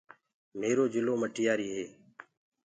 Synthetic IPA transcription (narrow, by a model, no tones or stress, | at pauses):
meːɾoːd͡ʒɪloːməʈʰɪjaːɾiːɦeː